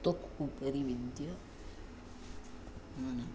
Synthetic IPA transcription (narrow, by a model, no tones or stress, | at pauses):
t̪okupɐɾiʋid̪jɐ | ɐnɐ